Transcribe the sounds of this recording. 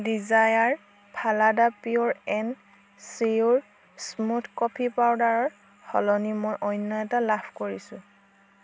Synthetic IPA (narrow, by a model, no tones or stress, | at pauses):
dizajaɹ | pʰaladapiɔɹɛn | siuɹ | smutʰkɔpʰipawdaɹɔɹ | hɔ̰lɔnimojʔɔjnːɔɛtalapʰkoɹisʊ̃